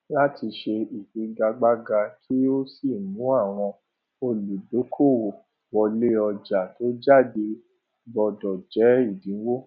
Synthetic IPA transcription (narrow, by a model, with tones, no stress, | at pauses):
la˦tʰi˧ʃe˧i˨k͡pi˨˧ɡa˧ɡ͡ba˦ɡa˧kʰi˦o˦si˦˨nũ˨˦a˦˨w̃ɔ̃˧ | o˧lu˨do˨˦kʰo˦˨wo˨ | wɔ˧le˦ɔ˧d͡ʒa˨to˦d͡ʒa˦˨de˧ | bɔ˧dɔ˨d͡ʒɛ˨˦i˦˨dĩ˨˦wo˦